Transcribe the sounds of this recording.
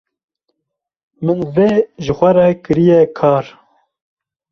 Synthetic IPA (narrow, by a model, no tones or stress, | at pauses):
mɨnveːʒəxʷɛɾɛkɨɾijɛkʰɑːɾ